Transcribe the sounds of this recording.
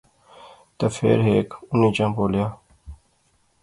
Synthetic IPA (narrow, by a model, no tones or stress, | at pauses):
t̪əfʰḛːɾɦeːkʊniːt͡ʃãːpoːljaː